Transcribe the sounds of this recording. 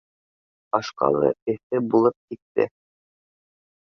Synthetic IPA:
ɑʃqɑ̰lˠɤ̰ɘ̆θɘbulˠɤp̚kit̪ːɘ̰

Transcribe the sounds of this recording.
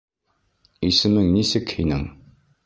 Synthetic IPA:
isɘmɘŋnisɪkhinɪŋ

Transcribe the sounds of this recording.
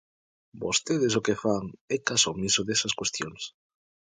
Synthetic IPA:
bo̰st̪eðesokefaŋɛkasomisʊðesɐskwest̪joŋs

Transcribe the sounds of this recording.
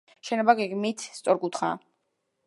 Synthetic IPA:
ʃɛnɔbaɡɛɡmit̪ʰst̪sʼɔɾɡut̪χa̰

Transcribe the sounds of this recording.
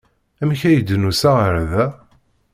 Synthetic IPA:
æmçæjəd̪nusæʁəɾðæ

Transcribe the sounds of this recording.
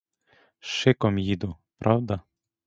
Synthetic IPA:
ʃɪkɔmjid̪ʊ | pɾʔɑwd̪ɐ

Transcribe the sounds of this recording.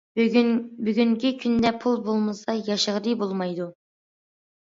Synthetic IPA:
byɡʲyŋkʲɪkʲʰynd̪ɛpʰʊlˠbolˠməsɑjɑʃəʁɾibolˠmɑjd̪ʊ

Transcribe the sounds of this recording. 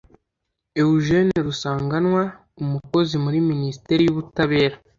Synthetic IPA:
euʒe̞niɾusaːŋɡanwa | umuko̞zimuɾiminisi̥te̞ɾijuβutaβe̞ːɾa

